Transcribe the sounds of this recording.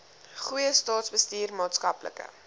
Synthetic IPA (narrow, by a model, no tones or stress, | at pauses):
χujəstɑːtsbəstiːrmɑːtskɐplə̰kə̰